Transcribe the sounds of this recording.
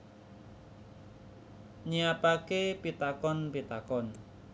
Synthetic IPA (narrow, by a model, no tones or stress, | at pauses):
ɲiapakepit̪akɔnpit̪akɔn